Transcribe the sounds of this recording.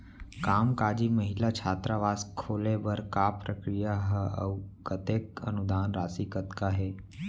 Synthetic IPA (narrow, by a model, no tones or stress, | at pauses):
kaːmkaːd͡ʒiməɦɪlat͡ʃʰaːt̪ɾaʋaːskʰːoːlebɐɾkapɾəkɾijaɦəə̰wkət̪eːkə̰nud̪ʱaːnɾaːsikət̪kaɦɛː